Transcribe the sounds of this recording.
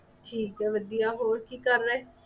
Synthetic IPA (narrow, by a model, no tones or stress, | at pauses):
ʈʰiːkɛːʋəd̪ijaːɦoːɾkiːkəɾːɛː